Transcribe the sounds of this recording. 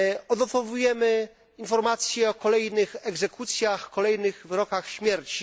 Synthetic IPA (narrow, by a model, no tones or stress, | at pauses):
ɔd̪ɔt̪ɔvujɛmɘ | infɔɾmat̪sʲjɛɔkɔlɛjnɘxɛɡzɛkut̪sʲjaxkɔlɛjnɘɣvɾɔkaxɕmʲjɛɾt͡ɕi